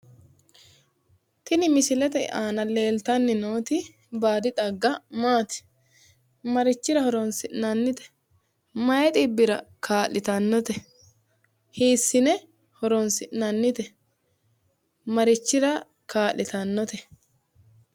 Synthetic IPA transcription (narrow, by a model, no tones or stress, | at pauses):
t̪ɪnɪmɪsɪlɛt̪ɛ̰ʔaːnɐle̞ːlt̪ɐnːɪnoːt̪ɪ | baːd̪ɪᶑ̪ɐɡːɐmaːt̪ɪ̥ | mɐɾɪt͡ʃːɪɾɐhɔɾɔnsɪʔnɐnːɪt̪ɛ̥ | mɐjɛt̪ʼɪbːɪɾɐkʰaːlːʔɪt̪ɐnːɔt̪ɛ | hiːsːɪnɛ | hɔɾɔnsɪʔnɐnːɪt̪ɛ | mɐɾɪt͡ʃːɪɾɐ | kaːlːɪt̪ɐnːɔt̪ɛ